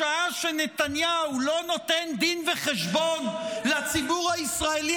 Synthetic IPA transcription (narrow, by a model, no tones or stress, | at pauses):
aaʃenet̪anjaulo̞no̞t̪end̪inveχeʃbonlat͡sibuʁhaisʁaeli